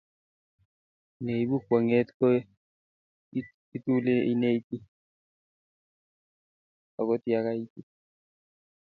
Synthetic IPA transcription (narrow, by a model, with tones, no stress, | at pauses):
ne˨i˨˦bu˦kwa˨ŋɛ˦t̪kɔ˦ | i˦t̪u˦le˦i˦ne˦i˦t̪i˦ | a˨kɔ˦t̪i˦a˦ka˦i˦t̪i˦